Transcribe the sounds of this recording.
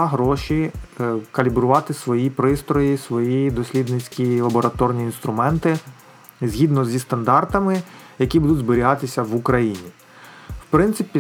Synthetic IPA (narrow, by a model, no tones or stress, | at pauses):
ɦɾɔʃi | kɐlʲibɾʊʋɑt̪ɪsʋɔjipɾɪst̪ɾɔjisʋɔjid̪ɔsʲlʲid̪nɪt͡sʲkʲilˠɐbɔɾɐt̪ɔrnʲiːnst̪ɾʊmɛnt̪ɪ | zʲɦʲid̪nɔzʲist̪ɐnd̪ɑrt̪ɐmɪjɐkʲibud̪ʊdʲzbeɾʲiɦɑt̪ɪsʲɐʋukɾɐjinʲi | wpɾɪnt̪ɪpʲi